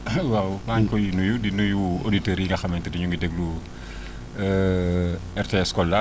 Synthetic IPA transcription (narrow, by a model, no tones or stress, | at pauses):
wawmaɲkɔjnujudinujuoditeɾjiŋɡɐxɐmɛntədiɲuŋɡidɛɡlu | ɛrteɛskɔlːɐ